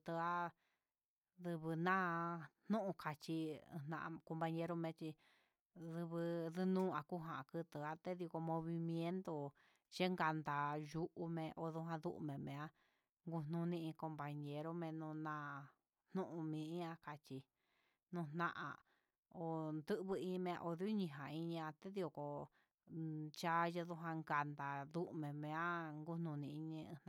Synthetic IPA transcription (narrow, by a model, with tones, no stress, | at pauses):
t̪ɨ˧a˦ | ðɨ˧βɨ˧nã˦n̥ũ˦ʔũ˧kʰa˨t͡ʃḭ̃˧nã̰˧ʔko˧mba˧ɲẽ˧ɾo˦mẽ˧t͡ʃi˧ | ðɨ˧βɨ˧ðɨ˧nũː˦a˧ku˦ɦã˨˧kɨ˧t̪ɨ˨a˧t̪e˦ði˧ko˧mõ˧βi˧mjẽ˦nt̪o˧ | ʒe˦ŋɡa˧nd̪a˨ju˧˦ʔu˧mẽ˧ʔo˧ðu˧˦ɦã˧ðu˧˦ʔṵ˧mẽ˨mẽ˨˧a˦ | ŋɡu˧n̥ũ˧nĩ˧ĩ˧ko˧mpa˧ɲe˧ɾo˦mẽ˧nũ˧nã˧ | n̥nũ˦ʔũ˧mĩ˨˧ĩ˦ã˧ka˧t͡ʃi˧ | nũ˧nnã˦˧ʔã̰˨ | o˨nd̪ɨ˦ʔβɨ˧ĩ˧mẽ˧ã̰˧ʔo˧ði˦u˦ɲĩ˧ɦã˨i˧ɲĩ˧ã˧t̪e˦ði˧o˧ko˨ | t͡ʃa˦je˧ðu˧ɦã˧ŋɡa˨nd̪a˨ðu˦ʔmẽ˨mẽ˧ã˦ŋɡu˦n̥ũ˧nĩ˧i˧ɲĩ˧n˧